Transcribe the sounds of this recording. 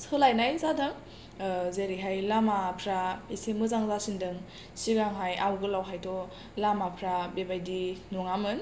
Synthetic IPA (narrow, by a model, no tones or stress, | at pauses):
sɯlajnajzadɯŋ | zeɾiɦajlamapʰɾaisemɯzaŋzasindɯŋ | siɡaŋɦajawɡɯlawɦajtʰɔ | lamapʰɾabebajdinɔŋamɯn